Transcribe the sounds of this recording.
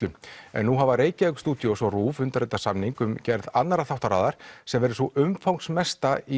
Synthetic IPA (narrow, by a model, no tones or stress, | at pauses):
lʏmɛ̰nːuɦavaɾeːjcɪɛkst̪uːt̪josɔruːvʏnt̪aɾɛt̪asamniŋkʏmcɛɾðat̪naɾaθawht̪aɾaːðaɾ̥sɛmvɛɾɪsɔʔʏmfawŋksmɛst̪ai